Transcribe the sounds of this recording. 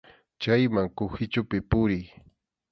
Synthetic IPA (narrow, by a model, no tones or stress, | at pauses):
t͡ʃajmaŋkʊxɪt͡ʃʊpɪpʊɾɪj